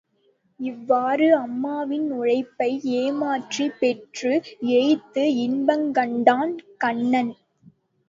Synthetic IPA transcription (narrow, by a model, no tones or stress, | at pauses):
ɪʋːaːɾɯɐmːaːʋɪnʊɻɐɪpːɐɪeːmaːʈripɛʈrɯɛjt̪ːɯɪnbɐŋkɐɳɖaːnkɐɳːɐn